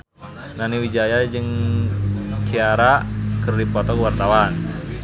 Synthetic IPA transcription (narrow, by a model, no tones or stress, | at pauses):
naniwid͡ʒajad͡ʒɨŋ | kʰiaɾakərdipɔt̪ɔkuwart̪awan